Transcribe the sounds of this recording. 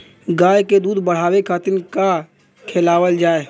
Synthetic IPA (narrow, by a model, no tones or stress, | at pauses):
ɡaːjked̪uːd̪ʱbəɽ̤aːwekʰat̪ɪnka | kʰeːlaːwəld͡ʒaːe